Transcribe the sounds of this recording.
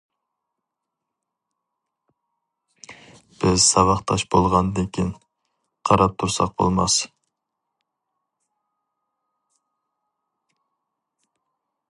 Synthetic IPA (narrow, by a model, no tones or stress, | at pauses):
b̥ɪzsɑvɑχt̪ʰɑʃbolˠʁɑnd̪ekʲʰin | qʰɑɾɑp̚t̪ʰuɾsɑq̚bo̰lˠmɑs